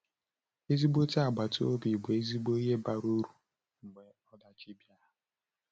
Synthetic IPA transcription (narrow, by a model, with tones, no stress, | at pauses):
e˦zi˦ɡ͡bo˦ta˨ɡ͡ba˨to˦bi˨ɡ͡be˦zi˦ɡ͡bo˦i˦ɦe˦ba˨ɾo˦ɾu˨ | ŋ͡m̩˨ɡ͡be˨ | ɔ˦da˨t͡ʃi˦bja˦ɦʊ˨